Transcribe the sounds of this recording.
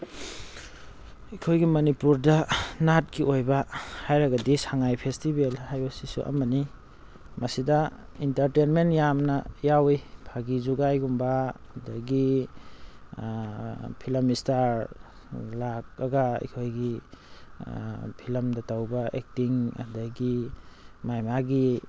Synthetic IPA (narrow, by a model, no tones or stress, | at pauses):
ikʰojɡimɐnipuɾdɐnat̚kiʔojbɐhajɾɐɡɐdisaŋajpʰestibelhajbɐsisṵʔɐ̰mɐni | mɐsidɐ | intɐɾtenmentjamnɐjawijpʰaɡizuɡajɡumbɐdɐɡi | pʰilɐmistaɾ | lak̚aɡɐḭkʰojɡi | pʰilɐmdɐtawbɐʔek̚tiŋɐ̰daɡi | majmaɡi